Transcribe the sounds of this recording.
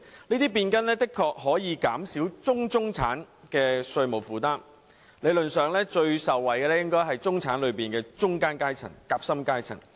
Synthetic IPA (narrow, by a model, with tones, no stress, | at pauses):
niː˥t̪iː˥p̬iː˧nkɐ˥nlɛː˥t̪ɪ˥kʰːɔː˧k̚ɦɔː˨˥jiː˨˧kaː˨˥msiː˨˥wt͡sʊ˥ŋt͡sʊ˥ŋt͡sʰaː˨˥n | kɛː˧sɵ˧ɥmo˨˩wfuː˨˩t̪aː˥m | le˨˧jlɵ˨nsœː˨˩ŋlɛː˥t͡ʃɵ˧ɥsɐ˨˩wːɐ˨˩jkɛː˧lɛː˥jɪ˥ŋkɔː˥jɦɐ˨jt͡sʊ˥ŋt͡sʰaː˨˥nlɵ˨˧ɥpiː˨˩nkɛː˧t͡ʃʊ˥ŋkaː˥nkaː˥jt͡sʰɐ̰˨˩ŋkaː˧p̚sɐ˥mkaː˥jt͡sʰɐ̰˨˩ŋ